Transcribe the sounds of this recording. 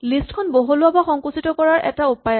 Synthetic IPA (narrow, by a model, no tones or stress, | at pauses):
listkʰɔnboɦɔlʊabaxɔŋkusitɔkɔɹaɹʔɛ̰taupajɔ